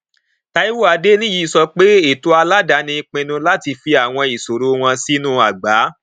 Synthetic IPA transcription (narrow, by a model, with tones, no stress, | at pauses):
ta˦i˦wo˦a˧de˦nĩ˦ji˨˦˨sɔ˧k͡pe˦e˦˨to˨˦a˧la˦da˧˦nĩ˧k͡pĩ˧nũ˧la˦ti˧fi˧a˨w̃ɔ̃˧i˨so˨ɾo˦w̃ɔ̃˧si˦nũ˦˨a˨ɡ͡ba˨˦